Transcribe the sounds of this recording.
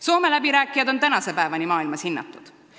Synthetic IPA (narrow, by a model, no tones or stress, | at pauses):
so̞ːme̞læbiɾæːkːˑijɑd̪o̞nt̪ænɑse̞pæevɑnʲimɑːilmɑshinːɑ̰t̪ːˑud̪̥